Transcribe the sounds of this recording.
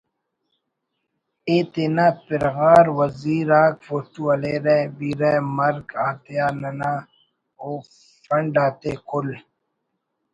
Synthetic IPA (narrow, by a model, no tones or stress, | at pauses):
eːt̪enaːpɪɾɣaːɾwɐziːɾaːkfoʈuɐleɾebiːɾemɐɾkaːt̪ejaːnɐna | oː | fɐɳɖaːt̪eːkʰʊl